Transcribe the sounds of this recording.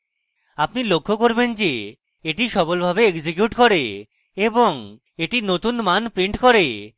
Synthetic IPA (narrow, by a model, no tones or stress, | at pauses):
apnilokʰːokoɾbend͡ʑe | eʈiʃɔbolbʱabeeɡd͡ʑekjuʈkoɾe | eboŋ | eʈinot̪unmanpɾiɳʈkoɾe